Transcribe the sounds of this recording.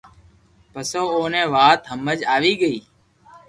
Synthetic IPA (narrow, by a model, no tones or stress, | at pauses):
pəsoːoːnẽːʋaːt̪ɦəmːəd͡ʒaːʋiːɡəiː